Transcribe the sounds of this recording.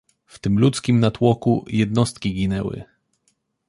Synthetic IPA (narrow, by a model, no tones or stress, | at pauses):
ft̪ɘmlut̪skʲimnat̪wɔkujɛd̪̚nɔst̪̚kʲiɡʲinɛwɘ̰